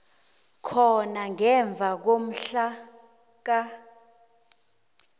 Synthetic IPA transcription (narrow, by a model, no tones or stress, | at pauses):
kʰɔnaŋɛɱb̪vʱak̬om̩ɬa | k̬a